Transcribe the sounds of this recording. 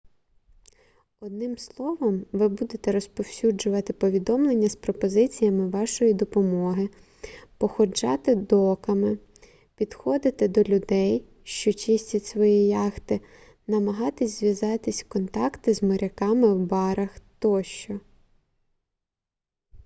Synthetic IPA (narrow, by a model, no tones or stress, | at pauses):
ɔd̪nɪmslˠɔʋɔmʋɪbud̪et̪ɛɾɔspɔwsʲud͡ʒʊʋɐt̪ɪpɔʋʲid̪ɔmlˠenʲːɐspɾɔpɔzɪt͡sʲijɐmɪʋɑʃɔjid̪ɔpɔmɔɦɪ | pɔxɔd͡ʒɑ̰t̪ɪd̪ɔkɐmɪ | pʲid̪xɔd̪ɪt̪ɪd̪ɔlʲʊd̪ɛj | ʃt͡ʃɔt͡ʃɪsʲtʲitʲsʋɔjijɑxt̪ɪ | nɐmɐɦɑt̪ɪsʲzʲʋʲjɐzɑt̪ɪsʲkɔnt̪ɑkt̪ɪzmɔɾʲɐkɑmɪwbɑɾɐxt̪ɔʃt͡ʃɔ